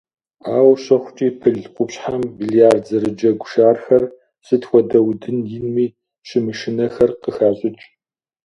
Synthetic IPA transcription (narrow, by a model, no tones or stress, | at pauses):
aːwɕɐχʷt͡ʃʼiːpʰɨɮqʷʼʊpɕħambiɮijaːrzɐɾɨd͡ʒɐɡʷʃaːrxɐr | sɨtʰxʷɔdɐwdɨnjɪnmiː | ɕɪmɨʃɨnɐxɐrqəxaːɕʼɪt͡ʃʼ